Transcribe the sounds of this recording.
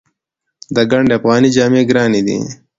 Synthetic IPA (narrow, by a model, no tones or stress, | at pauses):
d̪əɡɐɳɖeɐfɣɑːnid͡ʒaːmeːɡɾɑːnid̪ḭ